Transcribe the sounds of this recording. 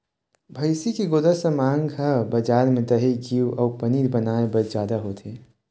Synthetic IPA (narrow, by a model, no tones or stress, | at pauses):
bʱɐɪsikiɡoːd̪əsəmãːŋɡɦəbɐd͡ʒaːɾmẽd̪ɐɦeɡiːwɔːɾpəniːɾbɐnaːebɐɾd͡ʒjaːd̪aɦoːt̪ʰeː